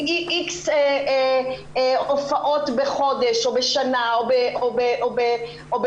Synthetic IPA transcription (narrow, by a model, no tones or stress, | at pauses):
iʔikse | ofaʔo̞tbeχo̞deʃobeʃanaobeʔobeʔobe | ob